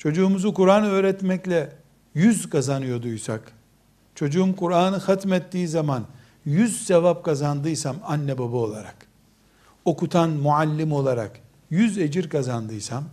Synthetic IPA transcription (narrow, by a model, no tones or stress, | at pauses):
t͡ʃʰo̞d͡ʒuːmuzukuɾaːnɯø̞ːɾɛt̪mɛclʲɛ | jyzkʰazanɯjo̞d̪ujsa̰k | t͡ʃʰo̞d͡ʒuumkuɾaːnɯxat̪mɛt̪ːiːizaman | jyzsevap̚kazand̪ɯjsamanːɛbabao̞lˠaɾak | o̞kut̪ʰanmualʲːimo̞lˠaɾa̰k | jyzed͡ʒiɾkazand̪ɯjsam